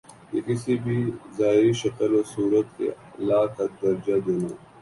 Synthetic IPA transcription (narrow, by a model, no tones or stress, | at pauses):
kekɪsibʱizaːɪɾiʃɐkəlosuːɾət̪̚kḛ | laːt̪ɐd̪ɐɾd͡ʒad̪eːnoː